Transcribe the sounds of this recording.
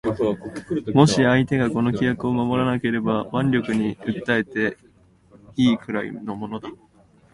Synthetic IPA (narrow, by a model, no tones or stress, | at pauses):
mo̞ɕiait̪e̞ɡako̞no̞kʲijakɯ̟o̞mamo̞ɾanake̞ɾe̞baβãɲɾʲo̞kɯ̟ɲ̟iɯ̟t̪ːae̞t̪e̞ | iːkɯ̟ɾaḭno̞mo̞no̞d̪a